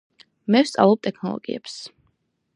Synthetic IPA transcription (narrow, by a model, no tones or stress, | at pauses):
mɛfst̪sʼa̰vlˠɔb̚t̪ʼɛkʰnɔlˠɔ̰ɡiɛps